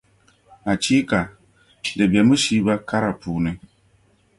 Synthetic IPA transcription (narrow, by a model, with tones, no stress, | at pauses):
a˨t͡ʃi˦ka˨ | de˨be˨mu˦ʃi˦ba˦ka˦ɾa˨puː˨ne˦